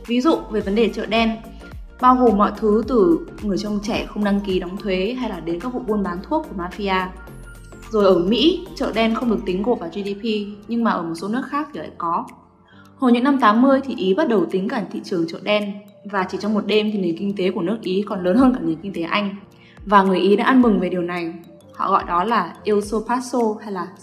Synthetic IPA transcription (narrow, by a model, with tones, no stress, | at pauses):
vi˨˦zṵ˧˨ve˨˩və˨˦nɗe˨˩t͡ɕə̰ː˧˨ɗɛ˧n | ɓaː˧wɣo˨˩mːɔ̰˧˨jt̪ʰɨ˨˦t̪ɨ˨˩ŋɨ˨˩əjt͡ɕwt͡ɕɛ˧˩xə˧wŋ͡mɗa˧ŋki˨˦ɗɔ˨˦wŋ͡mt̪ʰwe˨˦ɦa˧jlaː˨˩ɗe˨˦nkaː˦˥k̚vṵ˧˨ɓo˧ənɓaː˨˦nt̪ʰu˦˥ək̚ːu˧˩maː˧fi˧aː˧ | zo˨˩jʔəː˧˩mḭ˧˥t͡ɕə̰ː˧˨ɗɛ˧nxə˧wŋ͡mɗɨ˨˩ək̚t̪ï˨˦ŋ̟ko̰˧˨tvaː˨˩zi˧ɗi˧pi˧ɲɨ˧ŋmaː˨˩ʔəː˧˩mo˨˩t̚so˨˦nɨ˦˥ək̚xaː˦˥k̚t̪ʰi˨˩la̰˧˨kɔ˨˦ | ho˧˩jɲɨ̰˧˥ŋna˧mt̪aː˨˦mːɨ˧əjt̪ʰi˨˩ʔi˨˦ɓa˦˥t̚ɗə˨˩wt̪ï˨˦ŋ̟kaː˧˩ŋt̪ʰḭ˧˨t͡ɕɨ˨˩əŋt͡ɕə̰ː˧˨ɗɛ˧n | vaː˨˩t͡ɕi˧˩t͡ɕɔ˧ŋ͡mmo˨˩t̚ɗe˧mt̪ʰi˨˩ne˨˩nŋkï˧ŋ̟t̪e˨˦ku˧˩ənɨ˦˥ək̚ʔi˨˦kɔ˨˩nləː˨˦nhəː˧nkaː˧˩ŋi˨˩ənkï˧ŋ̟t̪e˨˦ʔa˧jŋ̟ | vaː˨˩ŋɨ˨˩əjʔi˨˦ɗa̰ː˧˦ʔa˧nmɨ˨˩ŋve˨˩ɗi˨˩əwna˨˩j | hɔ̰˧˨ɣɔ̰˧˨jɗɔ˨˦laː˨˩ʔi˧wso˧paː˦˥t̚so˧ha˧jlaː˨˩